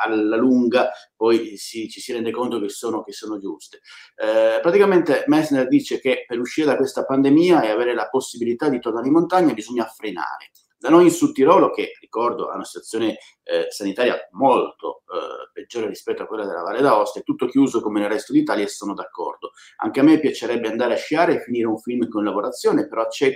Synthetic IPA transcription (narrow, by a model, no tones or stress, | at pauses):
alːaluŋɡapɔjsit͡ʃisiɾɛnd̪ekont̪ok̟esːoːnok̟esːoːnod͡ʒust̪e̥ | pɾat̪ikament̪emɛsnɛrd̪iːt͡ʃek̟epeɾuʃːiːɾed̪akwest̪apand̪emiːaeaveːɾelaposːibilit̪ad̪it̪ornaːɾeimont̪aɲːabizɔɲːafɾena̰ːɾḛ | d̪anojinsut̪ːiɾɔːlok̟erikɔrd̪oa̰unasit̪wat̪sːjoːne | sanit̪aːɾja̰molt̪o̰ped͡ʒːoːɾerispɛt̪ːoakːwelːad̪elːa̰va̰lːed̪aɔst̪et̪ːut̪ːok̟juːzokomenelrɛst̪od̪it̪aːljaesːoːnod̪akːɔ̰rd̪o | a̰ŋkeamːepːjat͡ʃeɾɛbːeand̪aːɾeaʃjaːɾefːiniːɾeuɱfilmkonlavoɾat̪sːjoːnepeɾɔt͡ʃːɛ